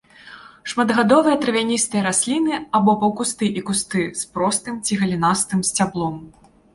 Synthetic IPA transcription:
ʂmɐd̪ɣad̪ɔvɨjɐt̪ɾɨvʲanʲist̪ɨjɐɾasʲlʲinɨabɔpɐwkust̪ɨʔikust̪ɨspɾɔst̪ɨmt͡sʲiɣɐlʲinast̪ɨmsʲt͡sʲablˠɔm

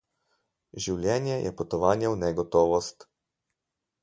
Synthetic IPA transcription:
ʒiwlʲjɛnjɛjʔɛ̰pɔt̪ɔʋaːnjɛwnɛɡɔt̪ɔːʋɔst̪

